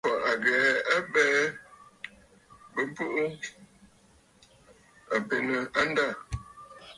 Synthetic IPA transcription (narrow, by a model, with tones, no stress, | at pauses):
pɔ˨ʔa˨ɡɛː˨˦a˦bɛː˦ | bə˦pə˦ʔo˦ | a˨pe˨nə˨a˦n˦da˦˨